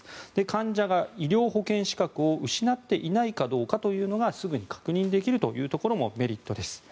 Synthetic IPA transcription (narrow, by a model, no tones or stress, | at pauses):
d̪̥e̞kãɲ̟d͡ʑaɡaiɾʲo̞ːɦo̞kẽ̞ɰ̃ɕi̥kakɯ̟o̞ɯ̟ɕinat̪ːe̞ʔinaikad̪o̞ːkat̪o̞jɯ̟ːno̞ɡasɨɡɯ̟ɲ̟ikḁkɯ̟ɲ̟ĩnd̪e̞kʲiɾɯ̟t̪o̞̰jɯ̟ːt̪o̞ko̞ɾo̞mo̞̰me̞ɾʲit̪ːo̞d̪e̞sɨ̥